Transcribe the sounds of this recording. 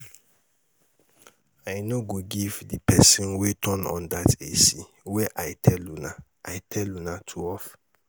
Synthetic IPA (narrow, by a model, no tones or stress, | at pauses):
ajnoɡoɡivdipʰɛsĩnwetʰɔnɔ̰̃ndatʰesi | wɛʔaɪtʰɛluna | ʔajtʰɛlunatʰuɔf